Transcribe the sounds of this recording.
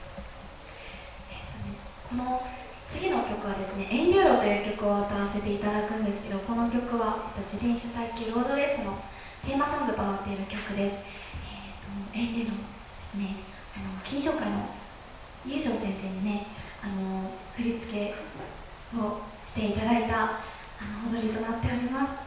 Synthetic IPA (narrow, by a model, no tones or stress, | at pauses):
et̪ːo̞ne̞kʰo̞no̞ | t͡sɨɡʲino̞kʲo̞kɯ̟βad̪e̞sɨne̞ʔẽ̞ŋɾʲoɾo̞ːt̪o̞jɯ̟ːkʲo̞kɯ̟o̞t̪aβase̞t̪e̞it̪ad̪akɯ̟̃nd̪e̞sɨ̥ke̞d̪o̞ko̞no̞kʲo̞kɯ̟βaet̪od͡ʑit̪ẽ̞ɰ̃ɕat̪aikʲiɾo̞ːd̪o̞ɾesɨno̞ | t̪e̞ːmaɕõŋɡɯ̟p̪onot̪ːe̞iɾɯ̟kʲo̞kɯ̟d̪e̞sɨ̥ | e | t̪oẽ̞nɡʲeɾo̞ | d̪e̞sɨne̞ | ano̞kʲĩɰ̃ɕo̞ːkaino̞̰ | jɯ̟ːɕo̞ːsẽɰ̃se̞ːɲine̞ | ano̞ | ɸɯ̟ɾʲit͡sɨ̥ke̞ | o̞ɕi̥t̪e̞it̪ad̪ait̪a | anood̪o̞ɾʲit̪o̞nat̪ːe̞oɾʲimasɨ̥